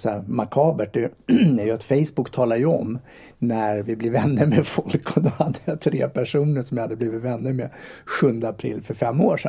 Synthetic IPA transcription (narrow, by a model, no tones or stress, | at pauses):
sæmakʰɑːbəʈ̚ɖ̪ɛæɾjɵat̪fɛjsbʊkːt̪ʰɑːlaɾjɵɔm | næɾvɪblɪvɛnːəmɛfɔlkʰːɔd̪ɔhad̪ːəjat̪ʰɾeːpʰæʂuːnəʂɔmjɪhad̪ːəbliːvɪt̪vɛnːəmeɧɵnd̪əapʰɾɪ̰lːfœɾfɛmːoːʂɛ